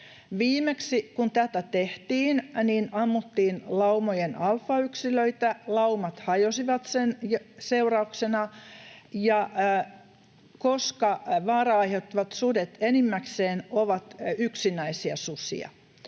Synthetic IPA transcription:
ʋiːmeksikunt̪æt̪æt̪eht̪iːnniːnɑmːut̪ːiːnlɑumojenɑlfɑyksiløit̪ælɑumɑt̪hɑjosiʋɑt̪senjseurɑuksenɑ | jɑ | koskɑʋɑːrɑɑiheut̪ːiʋɑt̪sudet̪enimːækseːnoʋɑt̪yksinæisiɑ̰susḭɑ̰

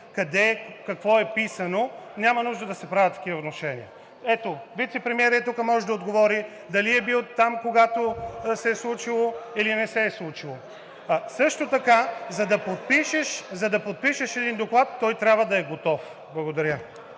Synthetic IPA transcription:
kɐd̪ɛkɐkvɔɛpisɐnonʲamɐnuʒd̪əd̪ɐsɛpɾavʲət̪ːɐ̥kʲivɐot̪noʃɛnḭə | ɛt̪ovit̪sɛpɾɛmiɛɾiɛt̪ukəmɔʒɛd̪ɐod̪ɡovɔɾi | d̪ɐliɛbilˠt̪amkoɡat̪osɛɛslˠut͡ʃilˠoilinɛsɛːslˠut͡ʃilˠo | sɤʃt̪ot̪ɐkazɐd̪ɐpot̪̚piʃɛʃzɐd̪ɐpot̪̚piʃeʃɛd̪ind̪oklˠat̪ːɔjt̪ɾʲjabvɐd̪ɐɛɡot̪ɔf | blˠɐɡod̪ɐɾʲjə

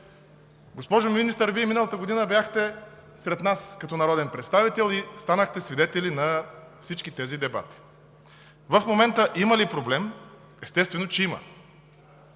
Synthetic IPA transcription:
ɡospɔʒominist̪əɾviɛminəlˠət̪əɡod̪inəbjaxt̪ɛ | sɾɛt̪naskɐt̪ɔnɐɾɔd̪ɛnpɾɛt̪st̪avit̪ɛlˠist̪anəxt̪ɛsvid̪ɛt̪ɛlinɐfsit͡ʃkit̪ɛzid̪ɛba̰t̪i̥ | vəfmomɛnt̪əʔiməlipɾoblɛm | ɛst̪ɛst̪vɛnot͡ʃɛimɐ̰

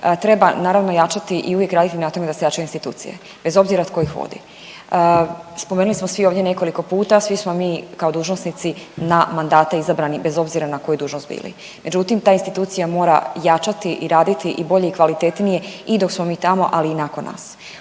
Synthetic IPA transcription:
t̪ɾe̞banaːɾaʋnojat͡ʃat̪iʔiuvjekɾaːd̪it̪inat̪o̞med̪asejat͡ʃajuinst̪it̪ṵːt̪sḭjḛ | be̞zo̞bziɾaod̪̚ko̞jixʋo̰d̪ḭ | əspome̞nulismo̞sʋioːvdʲje̞ne̞ko̞liko̞puːt̪asʋismo̞miːkao̞d̪uːʒnosnit̪sinamand̪aːt̪aizabɾanibe̞zo̞bziɾanako̞jud̪uːʒnost̪bḭːlḭ | me̞d͡ʒut̪imt̪aːinst̪it̪uːt̪sijamo̞ːɾa̰jat͡ʃat̪iʔiɾaːd̪it̪iʔibo̞ʎe̞ikʋalit̪et̪nije̞id̪o̞ksmo̞miːt̪amo̞̰ʔaliːnakonːa̰ːs

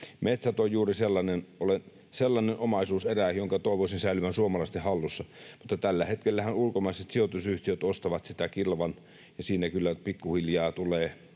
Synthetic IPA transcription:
met̪sæt̪ojjuːriselːɑnenolen | selːɑnenʔomɑˑisuːseræjoŋkɑt̪oˑeʋosinsæˑilyʋænsuomɑlɑˑst̪ehɑlːusːɑmut̪ːɑt̪ælːæhet̪kelːæhænulkomɑˑiset̪siot̪usyht̪iøt̪ost̪ɑʋɑt̪sit̪ækilʋɑn | jɑsiːnækylːæpikːuhiljɑːt̪uleː

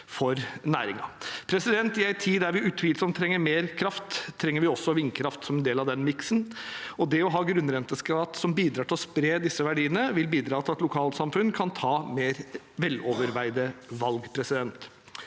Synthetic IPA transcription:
fɔɾnæːɾɪŋɑpʰɾɛsɪd̪ɛnt̪ɪæɪt̪ʰiːæɾʋɪʉːt̪ʰʋiːlsɔmt̪ʰɾɛŋːəɾmeːɾkʰɾɑft̪ʰːɾɛŋːəɾʋɪɔsːɔʋɪŋkʰɾɑft̪sɔmɛnd̪eːlɑʋd̪ɛnmɪksənɔd̪ɛɔɦɑːɡɾʉnːɾɛnt̪əskɾɑːt̪sɔmbiːd̪ɾɑːʈʰɪlɔspɾeːd̪ɪsːəʋæɖiːənəʋɪlbiːd̪ɾɑːt̪ɪlɑt̪lʊkʰɑːlt̪sɑmfʉnkʰɑnt̪ʰɑːmeːɾ | ʋɛlːɔʋəɾʋæɪd̪əʋɑlɡpʰɾɛsɪd̪ɛnt̪

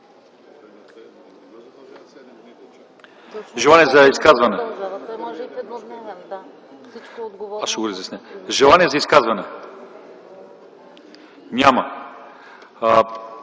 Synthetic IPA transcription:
ʒɛlˠaniɛzɐiskazvɐnɛ | aʃɛɡoɾizʲɛsnɛʒɛlˠaniɛzɐiskazvɐnɛ | nʲamɐ

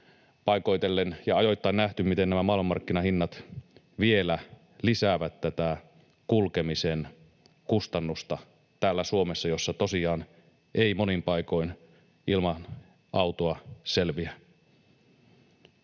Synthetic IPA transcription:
pɑiko̞jt̪elːenjɑɑjo̞jt̪ːɑnæht̪ymmit̪enæmæmɑilmmːɑrkːinɑhinːɑt̪ | ʋielæ | lisæʋæt̪tæt̪æ | kulkemisen | kust̪ɑnːust̪ɑ | t̪æːlːæsuomesːɑjosːɑt̪osiɑːn | ʔeimonimpɑiko̞in | ʔilmɑn | ʔɑut̪oɑselʋiæ

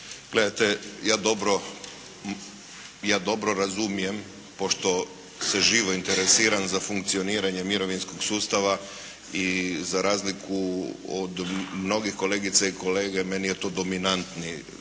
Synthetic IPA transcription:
ɡ̥le̞d̪ajt̪ejaːd̪o̞bɾo̞ | jaːd̪o̞bɾo̞ɾazumije̞m | po̞ʃt̪o̞ | seʒiːʋo̞int̪eɾesiːɾanzafuŋkt̪sio̞niːɾaɲe̞miɾo̞ʋinsko̞ɡsuːst̪aʋa | izaɾaːzlikʰuod̪mno̞ɡixko̞le̞ːɡit̪saiko̞le̞ːɡemenijet̪oːd̪o̞minant̪ni

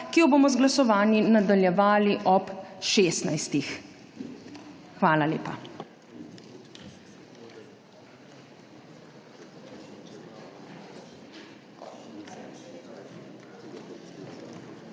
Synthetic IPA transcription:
kijɔboːmɔzɡlasɔʋaːninad̪aljɛʋaːliʔɔpʃeːst̪najst̪ix | xʋaːlalḛːpa̰

